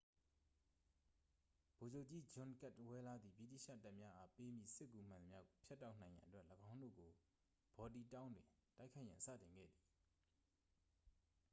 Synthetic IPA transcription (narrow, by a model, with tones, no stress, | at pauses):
b̥o˨d͡ʑo˦ʊʔt͡ɕi˦d͡ʑʊ̃˨nka˦˨twɛ˦la˦d̪ðḭ˨bḭ˦˨tḭ˦˨ʃä̰˦˨ta˦ʔmja˦ʔa˦pe˦mjḭ˦˨sɪ˦kːu˨m̥ã˨nəmja˦ɡo˨pʰja˦tːa˦ʊʔnã˨ɪ̃jã˨ʔətwɛ˦ʔləɡã˦ʊ̃ndo̰˦˨ɡo˨ | b̥ɔ˨ti˨tã˦ʊ̃ndwɪ̰̃˨ta˦ɪkʰa˦ɪʔjã˨nsä̰˦˨tɪ̃˨ŋɡɛ̰˦˨d̪i˨